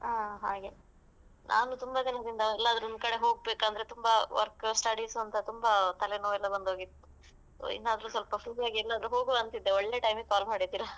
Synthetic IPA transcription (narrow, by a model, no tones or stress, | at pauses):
aːɦaːɡe | nʔa̰ːnut̪umbɐd͡ʒɐnɐd̪ind̪ɐɛlːɐːd̪ɐɾɔnd̪̚kɐɽe̞ɦo̞ːɡ̚beːkaːnd̪ɐɾet̪umbɐʋɐ̰ɾksʈaːɽisɐnt̪ɐt̪umbɐt̪ɐlenoːɛlːɐbɐnd̪ɦoːɡit̪ːu̥ | so̰ḭnːaːd̪ɐɾuːsʋɐlpɐfɾusijaːɡiɛlːɐːd̪ɐɾuɦo̞ːɡuʋɐnt̪id̪ːeɔɭːe̞ʈɐjmɡkaːlmaːɽit̪ːiːɾɐ